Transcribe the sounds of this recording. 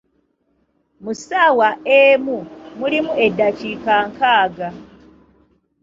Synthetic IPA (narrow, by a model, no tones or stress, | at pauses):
musaːwaemumulimue̞dːacikaːŋkaːɡa